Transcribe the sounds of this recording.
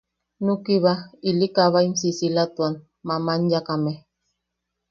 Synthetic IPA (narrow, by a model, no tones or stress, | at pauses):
nukiβailikaβaimsisilat̪wan | mamaɲjakame